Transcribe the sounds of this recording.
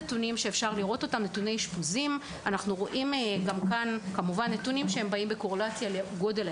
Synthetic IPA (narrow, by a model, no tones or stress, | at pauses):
etunimʃe̞efʃaʁliʁo̞to̞tamnetune̞jʃpuzim | anaχnuʁo̞ʔimɡamkankamuvanːetunimʃehembaimbe̞ko̞ʁolat͡sjaleɡo̞del